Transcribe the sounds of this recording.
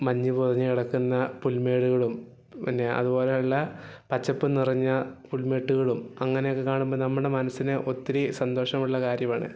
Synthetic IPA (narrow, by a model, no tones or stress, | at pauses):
mɐɲːipoðɐɲːɨiɽɐkːunːɐpulme̞ːɽuɣɐɭum | pinːe̞ɐ̰ðubo̞ːleɐɭːɐpɐt͡ɕːɐpːɨnirɐɲːɐpulme̞ːʈːuɣɐɭumɐŋːɐnejokːekaːɳumboːnɐmːuɽe̞mɐnɐsːinɨʔo̞t̪ːiɾisɐnd̪o̞ːʂɐmuɭːɐkaːɾjɐmaːɳɨ̰